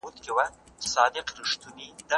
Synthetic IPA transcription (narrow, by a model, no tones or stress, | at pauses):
ut̪kɪwa | sɑd̪ɪqɾiʂt̪unid̪a